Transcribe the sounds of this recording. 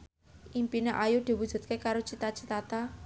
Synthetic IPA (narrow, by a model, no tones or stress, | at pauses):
ʔimpinaʔajud̪̥i̤wud̥ʒ̥ṳt̪̚kekaɾot͡ʃit̪at͡ʃit̪at̪a